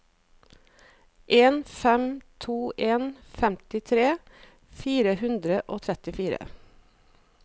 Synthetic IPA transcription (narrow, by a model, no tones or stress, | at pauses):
ʔeːnfɛmt̪ʰuːʔeːnfɛmt̪ɪt̪ʰɾeː | fiːɾəhʉnd̪ɾəʔoːt̪ʰɾɛt̪ɪfiːɾə̰